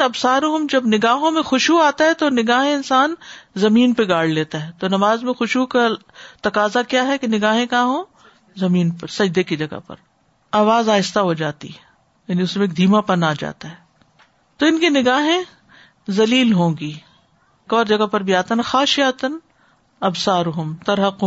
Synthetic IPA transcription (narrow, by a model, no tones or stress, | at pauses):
ɐbsaːɾõɦʊmd͡ʒɐbnɪɡaːɦõmẽxʊʃuaːt̪aɦɛt̪onɪɡaːɦẽɪnsaːnzɐmiːnpeɡaːɽ̤leːt̪aɦɛːt̪onɐmaːzmẽxʊʃuka | t̪ɐkaːzakjaːɦɛkenɪɡaːɦẽkãːɦõː | zɐmiːnpɐɾsɐd͡ʒd̪ekid͡ʒɐɡa̰pɐ̰ɾ | aːʋaːzaːɪst̪aɦod͡ʒaːt̪ḭɦɛ | jaːniʊsmẽeːk̚d̪ʱiːmapɐnaːd͡ʒa̰ːt̪aɦɛː | t̪oɪnkinɪɡaːɦẽ | zɐliːlɦõːɡiː | kɔːɾd͡ʒɐɡapɐɾbʱiaːt̪anɐxaːʃijat̪ən | ɐbsaːɾɦʊmt̪ɐɾɦəqː